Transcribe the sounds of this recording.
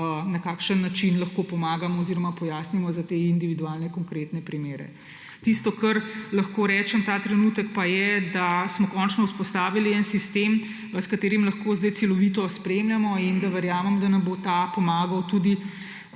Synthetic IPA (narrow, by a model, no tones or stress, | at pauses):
nɐkaːkʃənːat͡ʃinlɐxkopɔmaːɡamɔːziɾɔmapɔjaːsnimɔzat̪eind̪iʋid̪ualnɛkɔŋkɾet̪nɛpɾimeːɾɛ̰ | t̪ist̪ɔkɐɾlɐxkoɾɛːt͡ʃɛmt̪aːt̪ɾɛnut̪əkpajɛd̪asmɔkɔnt͡ʃnɔuspɔst̪aːʋiliɛnsist̪em | skat̪eːɾimlɐxkozd̪ɐjt̪sɛlɔʋit̪ɔspɾemljamɔind̪aʋɛɾjaːməmd̪anɐmbot̪apɔmaːɡɐwt̪ud̪i